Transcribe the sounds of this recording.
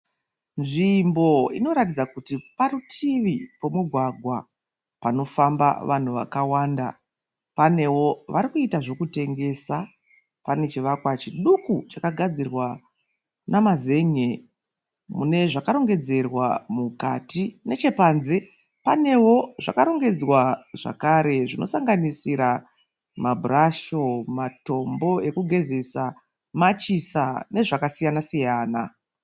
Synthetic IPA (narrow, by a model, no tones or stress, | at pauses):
nʐimbo̞ḭno̞ɾatid͡zakutiparutʰiʋipo̞muɡʱwaɡʱwa̰ | pano̞famba̰ʋan̤uʋa̰kawaːnda̰ | pane̞wo̞ʋaɾikuitaʐo̞kute̞ŋɡe̞ːsa | pane̞t͡ʃiʋakwat͡ʃiɗukut͡ʃakaɡʱad͡zirwa | namaze̞ɲe | mune̞ʐakaɾo̞ŋɡe̞d͡ze̞rwamukatine̞t͡ʃe̞panze | pane̞wo̞ʐa̰kaɾo̞ŋɡe̞d͡zwaʐ̥a̰kaɾe̞ʐino̞̰saŋɡanisiɾa | mabʱuraʃo̞mato̞mbo̞e̞kuɡʱe̞ze̞sa | mat͡ʃisane̞ʐakasijanasijaːna̰